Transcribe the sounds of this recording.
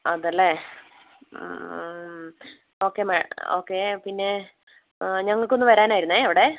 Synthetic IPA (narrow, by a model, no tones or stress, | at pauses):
ɐðɐlːe | o̞ːkːeːmɐoːkːe̞ːpinːe̞ | ɲɐŋːɐɭkonːɨʋɐɾaːnaːjiɾunːeɐʋiɽe̞